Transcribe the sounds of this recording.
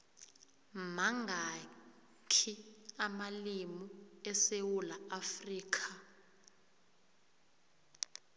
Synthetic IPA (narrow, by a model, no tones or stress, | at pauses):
maŋʱa | kʰiamalimuɛsewulaafriːkʰʼa